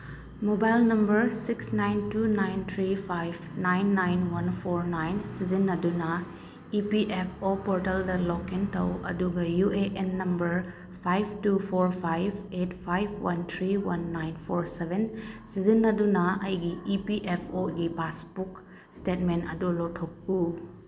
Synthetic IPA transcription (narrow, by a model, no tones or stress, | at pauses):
mobajlnɐmbɐɾsiksnajntunajnt̪ʰɾipʰajbnajnːajnwɐnpʰoɾnajnsizinːɐdunɐ | ipiʔepʰopoɾtɐldɐlɔkintʰɐwɐ̰duɡɐjuʔeʔenːɐmbɐɾ | pʰajb̚ʰtupʰoɾpʰajbʰet̚pʰajbʰwɐnt̪ʰɾiwɐnːajnpʰoɾsebʱensizinːɐdunɐɐjɡiipiʔepʰoɡipaspuk | stetmenɐ̰dulɔtʰːok̚pu